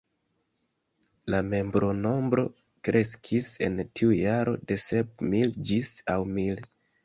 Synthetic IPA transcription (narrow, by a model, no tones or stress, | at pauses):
lame̞mbɾo̞no̞mbɾo̞̰ | kɾʔe̞skʰise̞̰ntʰiujaɾo̞̰de̞se̞p̚mild͡ʒisawmil